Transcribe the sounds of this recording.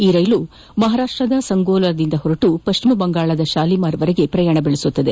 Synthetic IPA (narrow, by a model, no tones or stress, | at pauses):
iːɾɐjlu | mɐɦaːɾaːʂʈɾɐd̪ɐsɐŋɡoːlɐɾɐd̪ind̪ɐɦoɾɐʈupɐʃt͡ʃimɐbɐŋɡaːɭɐd̪ɐʃaːlimaːɾʋɐɾeɡe̞pɾɐjaːɳɐbeɭesut̪ːɐd̪e̞